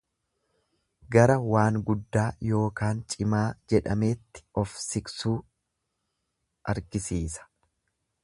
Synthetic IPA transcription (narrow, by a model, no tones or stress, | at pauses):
ɡɐɾɐwaːŋɡʊd̪ːaːjo̞ːkaːnt͡ʃʼɪmaːd͡ʒɛᶑɐme̞ːt̪ːɪ̥ɔfsɪksuː | ʔɐɾɡɪsiːsɐ̥